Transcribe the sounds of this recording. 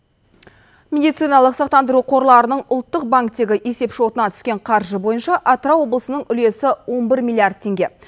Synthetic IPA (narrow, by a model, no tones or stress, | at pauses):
mʲe̞d̪ijt̪sɨjnɑlˠəqsɑqt̪ɑnd̪əɾuqʰo̞ɾlˠɑɾənəɴʊlˠt̪ːəq̚baŋkt̪e̞ɡʲɪʔe̞se̞pʃo̞t̪ənɑt̪ʰʏ̥skʲe̞ɴqʰɑɾʒəbo̞jənʃɑʔat̪ɾɑwo̞blˠəsənəɴʏle̞sɪwo̞nbɪɾmʲilʲijard̪̚t̪ʰe̞ŋɡʲe̞